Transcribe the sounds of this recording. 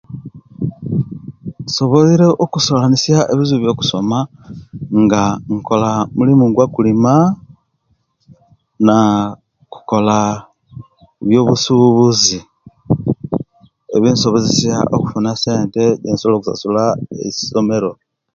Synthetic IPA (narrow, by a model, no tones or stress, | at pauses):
so̞βo̞liɾe̞ʔokusolanisjaʔeβizuβjo̞ːku̥so̞ma | ŋɡaŋko̞lamulimuŋɡwakulima | na | ku̥ko̞la | βjo̞ːβusuβuzi | eβiːnso̞βozisja̰ʔo̰ku̥funase̞ːnte̞ɟḛːnsolokusa̰sulaḛsi̥so̞me̞ɾo̞